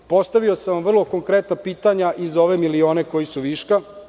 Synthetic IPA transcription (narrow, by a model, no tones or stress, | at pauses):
po̞st̪aʋio̞saʋamvr̩lˠo̞ko̞ŋkɾet̪napiːt̪aɲaʔizo̞ʋemilio̞ːneko̞jisuʋiːʃka